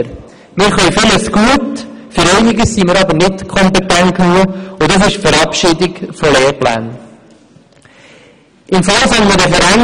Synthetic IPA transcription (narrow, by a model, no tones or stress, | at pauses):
ɾ | mɪːɾχœɥfɪləsɡ̥uətfʏɾɛɪnɪɡəssiːməɾɑbənɪtkʰɔmpɛtænknuəʊdɑs̬ɪʃfəɾɑpʃɪdɪɡfɔleːɾplæ̰ːn | ɪmfɑlsɛnmədɛfəɾæn